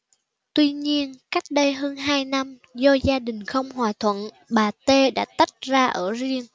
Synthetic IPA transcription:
t̪wi˧ɲi˧ənka˦˥jk̟̚ɗə˧jɦəː˧nɦaː˧jna˧m | zɔ˧zaː˧ɗï˨˩ŋ̟xə˧wŋ͡mhwaː˨˩t̪ʰwə̰˧˨n | ɓaː˨˩t̪e˧ɗa̰ː˧˥t̪a˦˥t̚zaː˧ʔəː˧˩zi˧əŋ

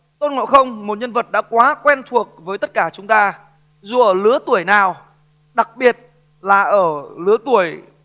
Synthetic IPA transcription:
t̪o˧˥n̚ŋɔ̰˧˨xə˧wŋ͡mmo˨˩t̚ɲə˧nvə˨˩t̚ɗa̰ː˧˥kwaː˨˦kwɛ˧nt̪ʰu˨˩ək̚vəː˨˦jt̪ə˦˥t̚kaː˧˩t͡ɕʊ˨˦ŋ͡mt̪aː˧ | zu˨˩ʔəː˧˩lɨ˨˦ət̪u˧˩əjnaː˨˩w | ɗa˨˩k̚ɓi˨˩ət̚ | laː˨˩ʔəː˧˩lɨ˨˦ət̪u˧˩əj

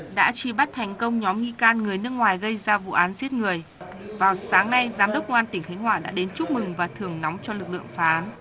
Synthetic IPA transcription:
ɗa̰ː˧˥t͡ɕi˧˩ɓa˦˥t̚t̪ʰɛ˨˩jŋ̟kə˧wŋ͡mɲɔ˨˦mŋi˧kaː˧nŋɨ˨˩əjnɨ˦˥ək̚ŋwaː˨˩jɣə˧jzaː˧vṵ˧˨ʔaː˨˦nzi˦˥ət̚ŋɨ˨˩əj | vaː˨˩wsaː˨˦ŋna˧jzaː˨˦mɗə˦˥k͡p̚kə˧ŋʔːt̪ï˧˩ŋ̟xa˨˦ŋ̟hwa̰ː˧˨ɗa̰ː˧˥ɗe˨˦nt͡ɕʊ˦˥k͡p̚mɨ˨˩ŋvaː˨˩t̪ʰɨ˨˩əŋnɔ˨˦wŋ͡mt͡ɕɔ˧lɨ˨˩k̚lɨ̰˧˨əŋfaː˨˦ʔaː˨˦n

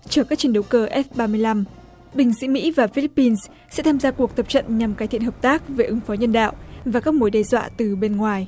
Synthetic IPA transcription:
t͡ɕɔː˧˩kaː˦˥k̚t͡ɕi˧əɗə˨˦wkəː˨˧˩ʔɛ˦˥f̚ɓaː˧mɨ˧əjla˧m | ɓï˨˩ŋ̟sḭ˧˥mḭ˧˥vaː˨˩fi˧li˦˥pːi˧ns | sɛ̰˧˥t̪ʰaː˧mzaː˧ku˨˩ək̚t̪ə˨˩p̚t͡ɕə̰˧˨nɲa˨˩mkaː˨˦t̪ʰḭ˧˨ənhəː˨˩p̚t̪aː˦˥k̚ve˨˩ʔɨ˨˦ŋfɔ˨˦ɲə˧nɗa̰ː˧˨wʔvaː˨˩kaː˦˥k̚mo˨˦jɗɛ˧zwa̰ː˧˨t̪ɨ˨˩ɓe˧nŋwaː˨˩j

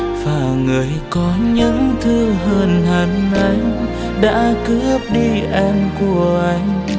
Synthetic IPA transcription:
vaː˨˩ŋɨ˨˩əjkɔ˨˦ɲɨ̰˧˥ŋt̪ʰɨ˧ɦəː˧˩nha˨˩jŋʔa˨˦jŋ | ɗa̰ː˧˥kɨ˦˥əp̚ɗi˧ʔɛ˧mku˧˩əʔa˧˦jŋ̟

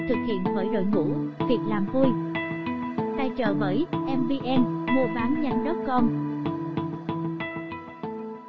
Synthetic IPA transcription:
t̪ʰɨ˨˩k̚hḭ˧˨ənvəː˨˦jɗo̰˧˨jŋṵ˧˩˥vi˨˩ək̚laː˨˩mvu˧əj | t̪a˧jt͡ɕə̰ː˧˩ɓə˨˩˦jʔɛ˧mɓi˧ʔɛ˧mmu˧əɓaː˨˦nɲa˧jŋ̟ɗə˦˥p̚kɔ˧n

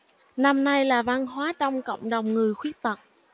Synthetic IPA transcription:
na˧mna˧jlaː˨˩va˧nɦwaː˨˦t͡ɕɔ˧wŋ͡mko̰˧˨wŋ͡mɗə˨˩wŋ͡mŋɨ˨˩əjxwi˦˥ək̚t̪ə˨˩t̚

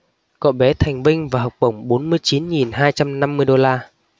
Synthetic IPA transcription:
kɔ̰˧˩ɓɛ˨˦t̪ʰa˨˩jŋ̟vï˧ŋ̟vaː˨˩ɦɔ˨˩wk͡p̚ɓə˧˩wŋ͡mɓo˨˦nmɨ˧əjt͡ɕi˨˦nŋi˨˩nɦaː˧jt͡ɕa˧mna˧mːɨ˧əjɗo˧laː˧

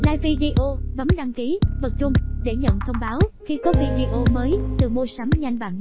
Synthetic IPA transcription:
laː˧jvi˧ɗi˧ʔo˧və˨˦mɗa˧ŋki˨˦və˨˩t̚t͡ɕʊ˧ŋ͡mɗe˧˩ɲə̰˧˨nt̪ʰə˧wŋ͡mɓaː˨˦wxi˧kɔ˨˦vi˧ɗi˧ʔo˧məː˨˦jt̪ɨ˨˩mo˧sa˨˦mɲa˧jŋ̟va̰ː˧˩˨n

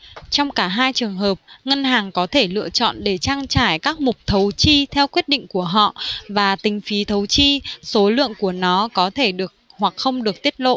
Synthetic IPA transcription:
t͡ɕɔ˧wŋ͡mkaː˧˩ɦaː˧jt͡ɕɨ˨˩əŋɦəː˨˩p̚ŋə˧nɦaː˨˩ŋkɔ˨˦t̪ʰe˧˩lɨ̰˧˨ət͡ɕɔ̰˧˨nɗe˧˩t͡ɕaː˧ŋt͡ɕaː˧˩jkaː˦˥k̚mʊ˨˩k͡p̚t̪ʰə˨˦wt͡ɕi˧t̪ʰɛ˧wkwi˦˥t̚ɗḭ˧˨ŋ̟ku˧˩əɦɔ̰˧˨vaː˨˩t̪ï˨˩˦ŋ̟fi˨˦t̪ʰə˨˦wt͡ɕi˧so˨˦lɨ̰˧˨əŋku˧˩ənɔ˨˦kɔ˨˦t̪ʰe˧˩ɗɨ˨˩ək̚ | hwa˨˩k̚xə˧wŋ͡mɗɨ˨˩ək̚t̪i˦˥ət̚lo̰˧˨

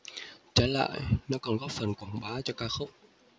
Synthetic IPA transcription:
t͡ɕaː˨˦la̰ː˧˨jnɔ˨˦kɔ˨˩nɣɔ˦˥p̚fə˨˩nkwaː˧˨˩ŋɓaː˨˦t͡ɕɔ˧kaː˧xə˦˥wk͡p̚

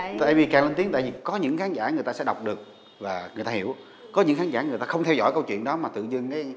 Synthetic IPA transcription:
t̪a̰ː˧˨jvi˨˩kaː˨˩ŋle˧nt̪i˨˦ŋt̪a̰ː˧˨vi˨˩kɔ˨˦ɲɨ̰˧˥ŋxaː˨˦nzaː˧˩ŋ˨˩ət̪aː˧sɛ̰˧˥ɗa˨˩wk͡p̚ɗɨ˨˩ək̚ | vaː˨˩ŋɨ˨˩əjt̪aː˧hi˧˩əw | kɔ˨˦ɲɨ̰˧˥ŋxaː˨˦nzaː˧˩ŋ˨˩ət̪aː˧xə˧wŋ͡mt̪ʰɛ˧wzɔ̰˧˥˩jkə˧wt͡ɕwḭ˧˨ənɗɔ˨˦maː˨˩t̪ɨ̰˧˨zɨ˧ŋkaː˨˦j

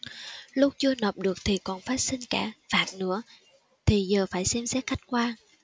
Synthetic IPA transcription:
lʊ˦˥k͡p̚t͡ɕɨ˧ənəː˨˩p̚ɗɨ˨˩ək̚t̪ʰi˨˩kɔ˨˩nfaː˦˥t̚sï˧ŋ̟kaː˧˩faː˨˩t̚nɨ̰˧˥ə | t̪ʰi˨˩zəː˨˩faː˧˩jsɛ˧msɛ˦˥t̚xa˦˥jk̟̚kwaː˧

